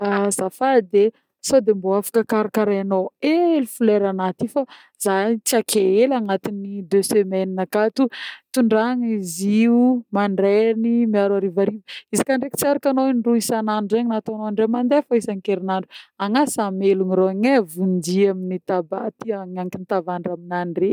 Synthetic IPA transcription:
azafad̪e | sod̪emboafḁkəkaɾakaɾajanoeelufuleɾanat̪ifa | zait͡sakʰeelaŋat̪inid̪øsemɛninakat̪ut̪uɳɖ͡ʐaŋiziumaɳɖ͡ʐɛnimiaɾwaɾivaɾivəizikaɳɖ͡ʐeki̥t͡siaɾakanoinɖ͡ʐuisananzeɲnat̪anoaɳɖ͡ʐemand̪efaisaŋkeɾinaɳɖ͡ʐuaŋasameluniɾoaɲevund̪iaminit̪abat̪iaɲaŋkinit̪avaɳɖ͡ʐaminaɳɖ͡ʐe

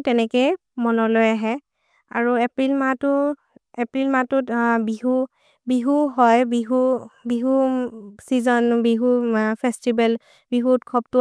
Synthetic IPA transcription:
tɛnɛke | mɔnɔlojaɦɛ | a̰ɹuɛpɹilmatʊ | ɛpɹilmatʊtbiɦu | biɦuɦɔjbiɦubiɦusizɔnbiɦupʰɛstibɛl | biɦutkʰɔb̚tʊ

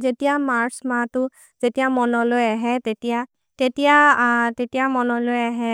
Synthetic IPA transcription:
zetijamaɹsmatʊ | zetijamɔnɔlojaɦɛtetija | tetijatetijamɔnɔlojaɦɛ

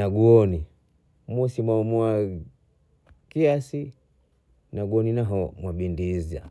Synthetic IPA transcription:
aɡuɔni | musimwamwa | kiasi | naɡuɔninaɦɔmwaɓindiza̰

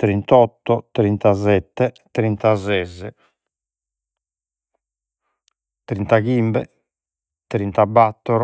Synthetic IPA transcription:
t̪ɾint̪ɔt̪ːɔt̪ɾint̪azɛt̪ːɛt̪ɾint̪azɛzɛ | t̪ɾint̪aɣimbɛ | t̪ɾint̪abːat̪ːɔɾɔ

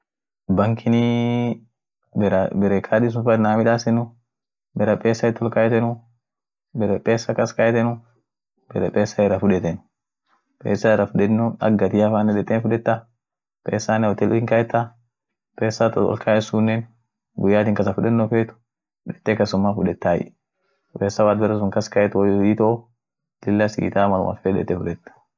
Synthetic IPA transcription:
bɐŋkʰɪni | bɛɾbɛɾekʰaːd̪is̬ʊnfɐnaːmɪᶑaːsɛnʊ | bɛɾɐpʼeːsːɐɪt̪ːɔlkaːjɛt̪ɛnʊ | bɛɾɛpʼeːsːɐkɐskajɛt̪ɛnʊ | b̥ɛɾɛpʼeːsːaɛrːɐfʊᶑɛt̪ɛnʊ̥ | pʼḛːsːaɛrɐfʊᶑɛnuɐ̰ɡːɐt̪ɪɐfaːnːɛᶑɛt̪ːeːnfʊᶑɛt̪ːa | pʼeːsːaːnɛɔt̪ɛlʊhɪŋkɐɛt̪ːa | pʼeːsːat̪ɔɔ̰lkʰaːʔɛsunːɛn | ɡʊjːaːt̪ɪŋkɐsɐfʊᶑɛtnːɔfeːt̪ʊ̥ | ᶑɛ̥t̪ːekɐsʊmːafʊᶑɛt̪ːaːjɪ̰ | pʼeːsːɐwaːd̪̚bɛɾɛs̬ʊŋkɐskɐjɛt̪ʊwiːt̪ɔʔɔ | lɪlːɐsḭːt̪aːmɐlʊ̰mɐ̰fɛᶑɛ̰t̪ːɛfʊᶑɛt̪ːɐ̥

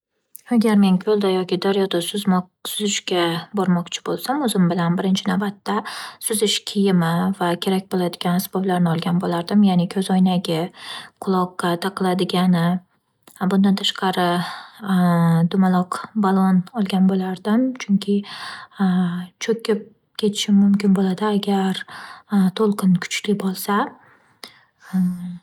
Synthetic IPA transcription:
aɡʲaɾme̞nkʲʰɵlˠd̪ajɒkʲɪd̪aɾjɒd̪asʊm | sʊzɪʃkʲabɒɾmɒqt͡ʃʰɪ̥bolˠsamɵzɪmbɪlanbɪɾɪnt͡ʃʰɪnawbat̪ːasʊzɪʃkʲʰɪjɪmavakʲʰe̞ɾak̚ʲbolˠad̪ɪɡʲanasbɒblaɾnɪɒlˠɡʲanbolaɾd̪ɪmjanɪkʲʰɵzɒjnaɡʲɪqʰʊlˠɒqːɑt̪ʰɑqlˠad̪ɪɡʲanɪ | bʊnd̪ant̪ʰaʃqʰɑɾɪ | d̪ʊmalˠɒqbalˠonɒlˠɡʲanbolaɾd̪ɪmt͡ʃʰʊŋkʲʰɪ | t͡ʃʰɵkʲɪp̚ | kʲʰe̞t̪ʰɪ̥ʃɪmʊmkʲɪnbolad̪ɪaɡʲaɾ | t̪ʰolˠqʰɨnkʰʊ̥t͡ʃlɪbolˠsa

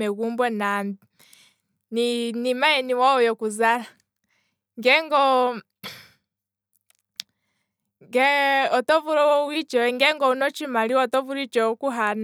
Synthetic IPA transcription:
ɛɣumbwɛna | ninimaɛniwaɔjɔkuzala | ŋɡɛŋɡɔ | ŋɡɛɔtɔvuɾɔwit͡ʃɛŋɡɛŋɡɔunɔt͡ʃimaliwɔtɔvuɾit͡ʃɔkuɦan

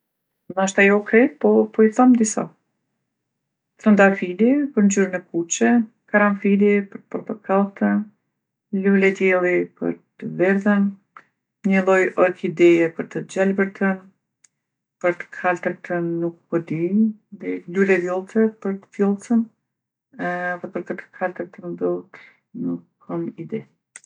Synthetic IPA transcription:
maʃt̪ajɔkɾɛpɔpɔiθamd̪isa̰ | θɾənd̪afilipəɾnd͡ʒyɾənɛkut͡ʃɛ | kaɾamfilipəɾt̪̚pɔɾt̪əkʰalt̪ən | lulɛd̪jɛlˠipə̰ɾt̪əvɛɾðən | ɲəlˠɔjʔɔkid̪ɛjɛpəɾt̪əd͡ʑalbəɾt̪ən | pəɾt̪ə̥kʰalt̪əɾt̪ənukpɔd̪iðɛlulɛvjɔlˠt͡sɛpəɾt̪ə̥fjɔlˠt͡sən | ðɛpəɾkət̪ə̥kʰalt̪əɾt̪əmb̪əlˠt̪ | nukʰːɔmid̪ɛ

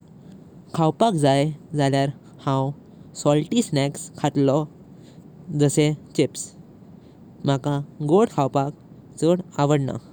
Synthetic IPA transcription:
kʰawpakd͡zajd͡zaljaɾ | hãw | sɔlʈisnɛkskʰaʈlɔ | d͡zəset͡ɕeps | m̤akãɡoɽkʰawpak̚ | d͡zəɽaʋəɽna̰

